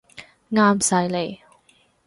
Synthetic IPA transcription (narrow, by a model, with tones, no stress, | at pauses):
ŋaː˥msɐ˧jle˨˩j